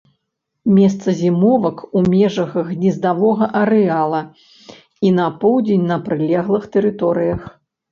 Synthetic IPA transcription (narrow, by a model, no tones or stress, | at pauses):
mʲɛst̪sɐzʲimɔvɐkumʲɛʐɐɣɐɣnʲizd̪avɔɣɐʔɐɾɛalˠɐ | inɐpɔwd͡zʲenʲnɐpɾɨlʲɛɣlˠɨxt̪ɛɾɨt̪ɔɾɨjɐx